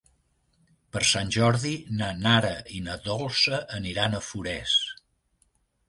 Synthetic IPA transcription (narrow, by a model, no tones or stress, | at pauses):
pəɾsanʲʒɔɾðinanaɾəʔinəðɔlˠsəʔːniɾanəfuɾɛs